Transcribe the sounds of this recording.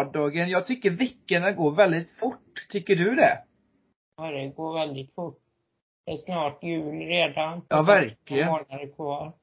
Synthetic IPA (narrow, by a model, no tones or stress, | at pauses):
ɖɑːɡənjɑːɡ̚t̪ʰʏkːəɾvɪkːənaɡoːɾvɛld̪ɪt̪fʊʈːt̪ʰʏkːəɖɵd̪ɛ | ɑd̪ɛɡoːɾvɛld̪ɪt̪fʊʈː | d̪ɛsnɑːʈjʉ̟ːlɾeːd̪anʔɑːvæɾklɪɡəoːnad̪əkʰvɑːl